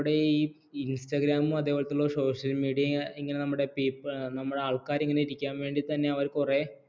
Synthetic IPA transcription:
ɽe̞iː | instɐɡɾaːmɨɐðeːoɭɐt̪ːiuɭːoso̞ːʂɐlmiːɽijɐiŋːɐnenɐmːuɽe̞piːpːnɐmːuɽeaːɭkaːɾiŋːɐneiɾikʲːaːnʋe̞ːɳɖit̪ɐnːe̞ɐʋɐɾkure̞

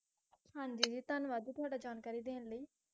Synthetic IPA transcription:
hãːɲd͡ʒiːd͡ʒiːt̪ənʋaːd̪iːt̪ʊaːɖaːd͡ʒaːnkaːɾiːd̪eːnləiː

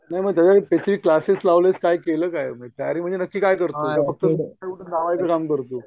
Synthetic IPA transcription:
najməɡt̪jat͡ɕapet̪ʰɾiːklaseslaʋlet͡skajkeləːkajmət̪ajaɾiːm̤əɳnd͡zenəkːiːkajkəɾt̪ot̪afək̚t̪əseuʈənd̪aʋajt͡səkamkəɾt̪oː

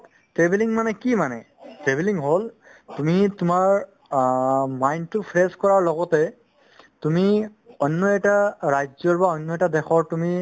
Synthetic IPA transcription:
tɹebeliŋmanɛkimanɛ | tɹebeliŋɦol | tumitʊmaɹ | majntupʰɹɛskɔɹaɹlɔɡɔtɛ | tumiɔnːɔɛtaɹajzɔɹbaɔnːɔɛtadɛxʰɔɹtumi

